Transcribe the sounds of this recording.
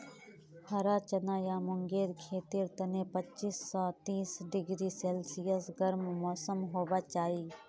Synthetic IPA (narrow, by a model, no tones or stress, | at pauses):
hʰɐɾaːt͡ʃɐnaːjaːmʊŋɡeːɾkʰeːt̪iɾt̪ɐnepət͡ʃisːɔːt̪iːsɖɪɡɾiseːlsɪjəsɡɐɾmmɔːsəmɦoːʋat͡ʃaːiː